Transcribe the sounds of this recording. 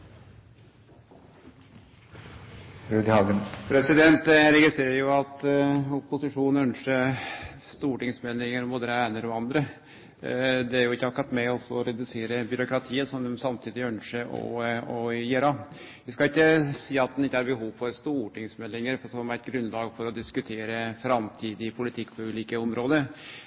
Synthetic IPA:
ɾøːd̪hɑːɡənpʰɾɛsɪd̪ɛnt̪ɾɛɡɪst̪ɾeːɾəɾjʊɑt̪ɔpʊsɪʂuːnœnʂə | st̪uːʈɪŋsmɛlːɪŋəɾmboːd̪əɾəæɪnəɾɔɑnd̪ɾə | d̪ɛæɾjʊɪkːəɑɾkɑt̪ːmɛɔsɔɔɾɛd̪ʉseːɾəbʏɾʊkɾɑt̪ʰiːəsɔnsɑmt̪ʰiːd̪ɪœnʂəʔɔ̰ɔjeɾɑ | ʋɪskɑɪkːəsiːɑt̪̚d̪ɛnɪkːəæɾbəɦuːʋfɔɾst̪uːʈɪŋsmɛlːɪŋəɾfsɔmæɪt̪̚ɡɾʉnlɑːɡfɔɾɔd̪ɪskʉt̪ʰeːɾəfɾɑmt̪ʰiːd̪ɪpʰʊlɪt̪ʰɪkːpʰɔʉːliːkəɔmɾoːd̪əɾ

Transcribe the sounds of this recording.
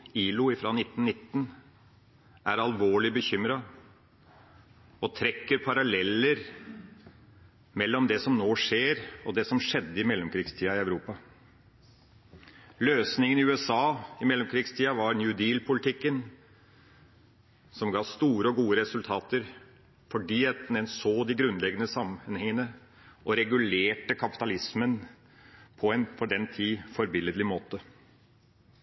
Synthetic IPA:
iːlʊɪfɾɑːnɪt̪ːn̩nɪt̪ːn | ʔæɾɑlʋoːɭɪbəçʏmɾɑ | ɔt̪ʰɾɛkːəɾpʰɑɾɑlɛlːəɾ | mɛlːɔmd̪ɛsɔmnoːʂeːɾɔd̪ɛsɔmʂɛd̪ːəɪmɛlːɔmkʰɾɪːɡst̪ʰiːɑɪœʉɾuːpɑ | løːsnɪŋənɪʉːɛsɑːɪmɛlːɔmkʰɾɪːɡst̪ʰiːɑʋɑɾnjʉd̪iːlpʰʊlɪt̪ɪkːən | sɔmɡɑːst̪uːɾəɔɡuːəɾɛsʉlt̪ʰɑːt̪əɾ | fɔɖiːɛt̪n̩ɛnsoːd̪ɪɡɾʉnlɛɡənəsɑmənhɛŋːənə | ʔɔɾɛɡʉleːʈəkʰɑpɪ̥t̪ɑlɪsmən | pʰɔɛnfɔɖɛnt̪ʰiːfɔɾbɪlːəd̪lɪmoːt̪ə

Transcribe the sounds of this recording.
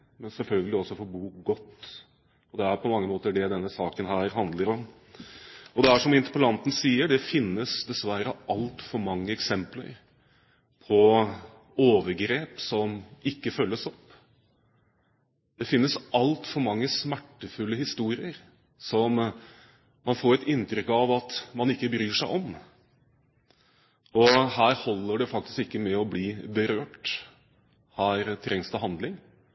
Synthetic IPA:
mɛnsɛlfœlɡəlɪɔsːɔfɔɾbuːɡɔt̪ː | ɔd̪ɛæɾpʰɔmɑŋːəmoːt̪əɖɛd̪ɛnːəsɑːkənɦæːɾhɑnd̪ləɾɔm | ɔd̪ɛæʂɔmɪnt̪əpəlɑnt̪n̩siːəɖɛfɪnːəsd̪ɛsʋæɾəʔɑlt̪fɔɾmɑŋːəɛksɛmplə̰ɾ | pʰɔ | oːʋəɾɡɾeːpsɔmɪkːəfœlːəsɔpː | d̪ɛfɪnːəsɑlt̪fɔɾmɑŋːəsmæʈːəfʉlːəhɪst̪uːɾɪəɾ | sɔm | mɑnfoːɾɛt̪ɪnːt̪ɾʏkːɑʋɑt̪mɑnɪkːəbɾyːʂæɪʔɔm | ɔhæːɾhɔlːəɖɛfɑk̚t̪ɪ̥skɪkːəmɛɔbliːbəɾøːʈ | hæːɾt̪ʰɾɛŋsd̪əɦɑnd̪lɪŋ

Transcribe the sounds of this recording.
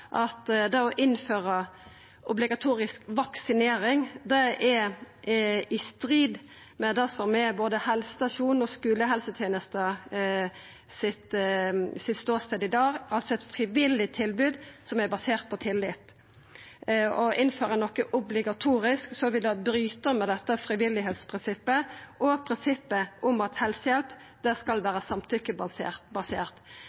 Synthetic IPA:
ʔɑt̪d̪ɛɔʔɪnføːʁə | ʔʊblɪɡɑt̪ʰuːɾɪskʋɑksɪneːɾɪŋd̪ɛʔɛ | ɪst̪ɾiːd̪ | mɛd̪ɛsɔmɛboːd̪əhɛlsə̥st̪ɑʃuːnɔskʉːləɦɛlsət̪ʰjeːnəst̪ə | sɪt̪ | sɪt̪st̪oːst̪eːd̪əɪd̪ɑːɡɑlsɔɛt̪fʁɪʋɪlːɪt̪ʰɪlbʉːd̪sɔmæbɑseːʁt̪̚pʰɔt̪ʰɪlːɪt̪ | ɔʔɪnføːʁənɔkːəʔʊblɪɡɑt̪ʰuːɾɪsksɔʋɪld̪ɑbɾyːt̪əmɛd̪ɛt̪ːəfɾɪʋɪlːɪɦeːt̪spʰʁɪnsɪpːəʔɔpʰɾɪnsɪpːəʔʊmɑt̪hɛlsəjɛlp | d̪̥æskɑlʋæːɾəsɑmt̪ʰʏkːəbebɑsḛːʁt̪

